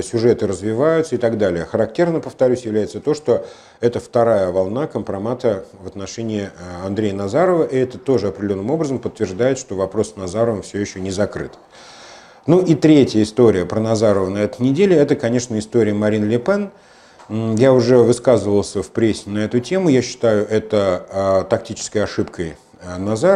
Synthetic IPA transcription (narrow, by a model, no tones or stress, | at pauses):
sʲʊʐɛt̪ɨɾəzvʲɪvajʊt̪səɪt̪aɡd̪alʲɪjəxəɾɐk̚tʲernəpəft̪ɐɾʲʉsʲjɪvlʲæjɪt̪sət̪o̞ʂt̪o̞ | ɛt̪əft̪ɐɾajəvɐlˠnakəmpɾɐmat̪əvət̪nɐʂɛnʲɪɪɐnd̪ɾʲejənɐzaɾəvəʔɪɛt̪ət̪o̞ʐɨɐpɾʲdʲlʲo̞nːɨmo̞bɾəzəmpət̪ːvʲɪrʐd̪ajɪt̪ʂt̪o̞vɐpɾo̞ssnɐzaɾəvəmfsʲjɵjɪɕːɵnʲɪzɐkɾɨ̰t̪ | nuʔit̪ɾʲetʲjəɪst̪o̞ɾʲɪjəpɾənɐzaɾəvənɐɛt̪əjnʲɪdʲelʲɪɛt̪əkɐnʲe̞ʂnəɪst̪oɾʲɪjəmɐɾʲinlʲɪpɛn | jaʊʐɛvɨskazəvəlˠsʲəfpɾʲesʲːɪnɐɛt̪ʊtʲe̞mʊjaɕːɪ̥t̪ajʊʔɛt̪ət̪ɐk̚tʲit͡ɕɪ̥skəjɐʂɨpkʰəj | nɐza